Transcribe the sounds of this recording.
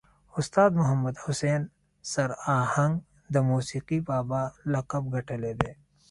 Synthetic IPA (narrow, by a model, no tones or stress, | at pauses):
ʊst̪aːd̪mʊɦɐmːɐd̪hʊseːn | sɐɾaːhɐ̃ŋɡ | d̪ɐmuːsiːqibaːbalɐqɐb̚ɡʱɐʈʰɐled̪eː